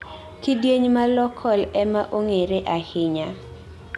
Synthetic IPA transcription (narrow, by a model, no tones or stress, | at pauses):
kidweɲmalɔkʰɔlɛmaʔoŋeɾeʔahɪɲa